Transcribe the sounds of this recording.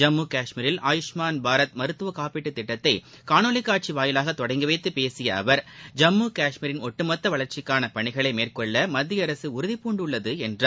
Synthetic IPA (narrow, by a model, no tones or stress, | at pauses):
d͡ʒɐmːuːkaːʂmiɾɪlʔaːjɪʂmaːnbʱaːɾɐt̪mɐɾɯt̪ːɯʋɐkaːpɪʈːɯt̪ːɪʈːɐt̪ːɐɪ | kaːnoːlɪkːaːʈ̚t͡ʃiʋaːjɪlaːɣɐt̪ːɔɽɐɪŋɡɯʋeɪt̪ːɯpeːsɪjɐɐ̰ʋɐɾd͡ʒɐmːuːkaːʂmiɾɪnɔʈːɯmɐt̪ːɐʋɐɭɐɾt͡ʃɪkːaːnɐpɐɳɪɣɐɭɐɪmeːrkɔɭːɐmɐd̪ːɪjɐɾɐsɯʊɾɯðɪpːuːɳɖɯɭːɐðɯɛndraː